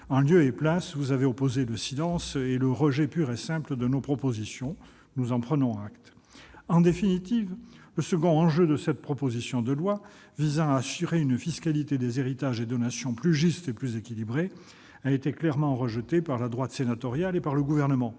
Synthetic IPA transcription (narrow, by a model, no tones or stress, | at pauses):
ɛ̃ljøeplasvuzaveɔpozeləsilɑ̃seləʁəʒɛpyʁesɛ̃pləd̪ənopχɔpozisjɔ̃ | nuzɑ̃pχənɔ̃akt̪ | ɑ̃d̪efinit̪ivləsəɡɔ̃ɑ̃ʒød̪əsɛt̪̚pχɔpozisjɔ̃d̪əlwa | vizɑ̃aːsyʁeynfiskalit̪ed̪ezeʁit̪aʒed̪ɔnasjɔ̃plyʒyst̪eplyzekʲilibʁe | aet̪eklɛʁmɑ̃ʁəʒət̪epaʁlad̪ʁwat̪senat̪ɔʁjalepaʁləɡuvɛʁnəmɑ̃